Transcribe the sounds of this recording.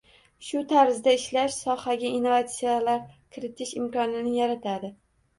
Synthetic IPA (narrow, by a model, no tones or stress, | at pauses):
ʃʊt̪ʰaɾzd̪aɪʃlaʃsɒhaɡʲainːovat̪sijalaɾkʲʰɪɾɪt̪ʰɪʃɪmkɒnɪnɪjaɾat̪ʰad̪ɪ